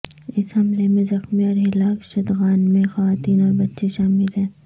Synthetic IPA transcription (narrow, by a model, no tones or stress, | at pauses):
ɪshɐmlemẽzɐxmiɔːɾɦɪlaːkʃɐd̪ɣaːnmẽxɐʋaːt̪iːnɔːɾbɐtːʃeʃaːmɪlɦɛ̃ː